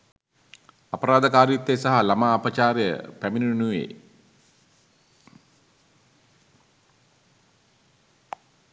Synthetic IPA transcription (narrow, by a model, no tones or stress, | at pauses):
apɐɾaːd̪ɐkaːɾjut̪ːesaɦalamaːpət͡ʃaːɾjə̰pæminiunuʋḛː